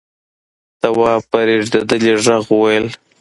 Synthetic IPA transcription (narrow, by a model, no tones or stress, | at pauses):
t̪awɑpaɾeʐd̪ad̪əleʐaɣuwajəl